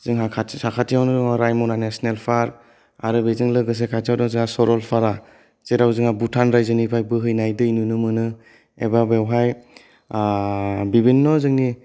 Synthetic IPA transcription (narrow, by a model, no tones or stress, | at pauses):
z̥ɯŋɦakʰasakʰatʰijawnɯzɔŋaɾajmɔnanesnelpʰaɾ | aɾɯbezɯŋlɯɡɯs̬ekʰatʰijawdɔŋzɯŋasɔɾɔlpʰaɾa | t͡ʃeɾawzɯŋabutʰanɾajzɯnipʰajbɯɦɯjnajdɯinunɯmɯnɯ | ḛbabewɦaj | bibinːɔzɯŋni